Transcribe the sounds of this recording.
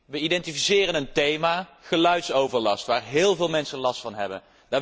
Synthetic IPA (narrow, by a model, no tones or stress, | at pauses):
ʋəidɛntifisɪːrənəntejmaːχəlœɥtsowvəɹlɑstʋaːɹɦɪːlˠvɪːlˠmɛnsənlɑstfɑnɦɛ̰bə̰n | daː